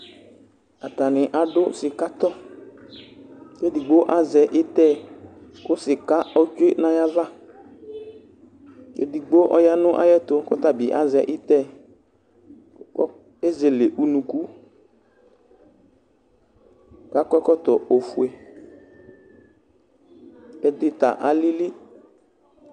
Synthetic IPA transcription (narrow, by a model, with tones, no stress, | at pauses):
a˨t̪a˨nɪ˨ʔa˨dʊ˦sɪ˨ka˦t̪ɔ˦ | ke˦di˨ɡ͡bo˦ʔa˦zɛ˨ʔɪ˦t̪ɛ˦˨kʊ˦sɪ˨ka˦ɔ˦t͡ʃe˦nã˨ja˦va˦ | kḛ˦di˨ɡ͡bo˦ʔɔ˦ja˦nʊ̃˦ʔa̰˦jɛ˦t̪ʊ˨kɔ˦t̪a˨bi˨ʔa̰˦zɛ˨ʔɪ˦t̪ɛ˦ | e˦ze˨le˨ʔu˦nũ˨ku˦ | ka˨˦kɔ˦kɔ˦t̪ɔ˨o˨fu˨e˨ | ɛ˦dɪ˦t̪a̰˨ʔa˨li˦li˦